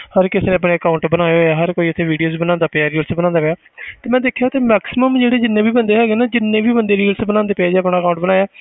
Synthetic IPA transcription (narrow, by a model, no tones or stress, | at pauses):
həɾkɪseːnẽːəp̬ɳeːəkaʊɳʈbənaːeoaːɦəɾkoːiːət̪ʰːẽːʋiːɖijoːzbənãːnd̪aːpeaːɾiːəlsbənãːnd̪aːpejaː | t̪eːmɛ̃ːd̪eːkʰjaːt̪eːmɛːksɪməmd͡ʒeːɽeːd͡ʒɪnːẽːbiːbənd̪eːɦɛːɡeːnaːd͡ʒɪnːẽːbiːbənd̪eːɾiːəlsbənãːnd̪eːpeːd͡ʒeːəpɳaːəkaːʊ̃ɳʈbənaːjaː